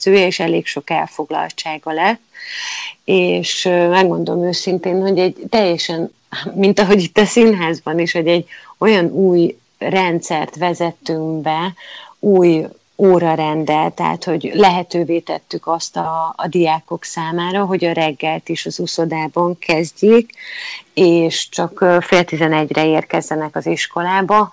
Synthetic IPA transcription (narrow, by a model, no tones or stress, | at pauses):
øːjɛeːʃɛlḛːkʃo̞kɛlfo̞ɡlɒ̰lt͡ʃaːɡɒlɛt̪ː | eːʃmɛɡɡo̞nd̪olomøːsint̪eːnho̞ɟɛɟt̪ɛjːɛʃɛn | mint̪ɒɦo̞ɟit̪ːɒsinɦaːzbɒniʃho̞ɟɛɟo̞jɒnuːj | rɛnt̪sɛrt̪ʋɛzɛt̪ːyŋbɛuːj | oːɾɒɾɛnd̪ɛlt̪ɛɦa̰t̪ho̞ɟlɛɦɛt̪øːveːt̪ɛ̰t̪ːykɒst̪ɒːd̪ijaːko̞ksaːmaːɾɒɦo̞ɟɒɾɛɡːɛlt̪iʃɒzuso̞d̪aːbɒŋkɛzɟeːk | eːʃt͡ʃɒkfeːlt̪izɛnɛɟrɛeːrkɛzːɛnɛkɒziʃko̞laːbɒ